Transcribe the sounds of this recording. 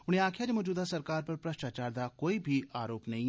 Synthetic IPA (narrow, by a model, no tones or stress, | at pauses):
ʊñẽaːkʰjad͡ʒemɔːd͡ʒuːd̪asɐɾkaːɾpɐɾpɾɐʃʈaːt͡ʃaːɾd̪akoːibʱiaːɾoːpnɐɦĩ